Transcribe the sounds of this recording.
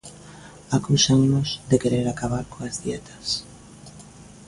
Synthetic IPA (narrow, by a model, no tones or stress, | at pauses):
akusaŋnozd̪ekeɾeɾakaβaɾkoazðjɛt̪ʰḁs